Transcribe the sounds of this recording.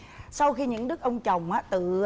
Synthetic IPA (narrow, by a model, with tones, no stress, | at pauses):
sa˧wxi˧ɲɨ̰˧˥ŋɗɨ˦˥k̚ʔə˧wŋ͡mt͡ɕə˨˩wŋ͡mʔaː˨˦t̪ɨ̰˧˨